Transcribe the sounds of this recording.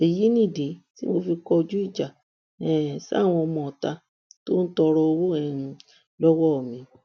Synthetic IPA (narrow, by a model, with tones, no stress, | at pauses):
e˨ji˨˦nĩ˦˨de˨˦tḭ˦mo˧fi˧kɔ˧d͡ʒu˦i˦˨d͡ʒa˨ | ɛ˨sw̃ɔ̃˧ɔ˧mɔ̃˨ɔ˨ta˧ | to˦n̩˦tɔ˧ɾɔ˧o˧wo˦ɛ˨n˧ | lɔ˦wɔ˦˨mĩ˨˦